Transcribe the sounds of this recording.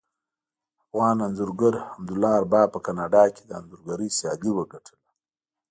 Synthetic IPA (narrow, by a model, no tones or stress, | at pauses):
afɣɑːnanzʊɾɡaɾhamd̪ʊlːɑaɾbɑːpəkanɑɖɑked̪əa̰nzʊɾɡaɾəjsjɑd̪iwəɡaʈʰəla